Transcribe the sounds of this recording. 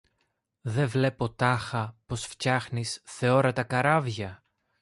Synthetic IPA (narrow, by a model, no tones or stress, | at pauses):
ðe̞vle̞po̞t̪ɐxɐpo̞sfcɐxnisθe̞o̞ɾɐt̪ɐkɐɾɐvʝɐ